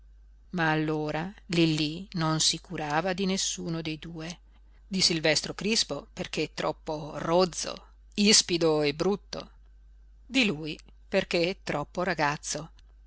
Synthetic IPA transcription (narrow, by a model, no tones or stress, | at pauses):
maːlːoːɾalilːinonsikuɾaːvad̪inesːuːnod̪ejd̪uːe | d̪isilvɛst̪ɾokɾispoperk̟et̪ːɾɔpːorod̪zːo̰ | ispid̪oebɾut̪ːo̰ | d̪iluːj | perk̟eɛt̪ɾɔpːoɾaɡat̪sːo